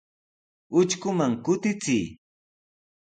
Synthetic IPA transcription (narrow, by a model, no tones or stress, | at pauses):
ʊt͡ʃkʊmaŋkʊt̪ɪt͡sɪij